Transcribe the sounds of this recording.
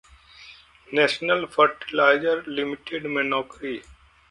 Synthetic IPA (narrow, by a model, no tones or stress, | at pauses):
nɛːʃnəlfʰəɾʈɪlaːɪd͡ʒəɾlɪmɪʈeɖmɛnɔːkɾi